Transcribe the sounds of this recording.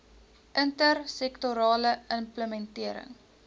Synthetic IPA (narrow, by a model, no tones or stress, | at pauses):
ʔəntərsɛktoɾɑːləəmpləmɛntiəɾə̰ŋ